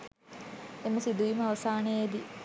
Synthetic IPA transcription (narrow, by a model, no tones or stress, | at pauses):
emusid̪uiməɐʋɐsaːnejed̪i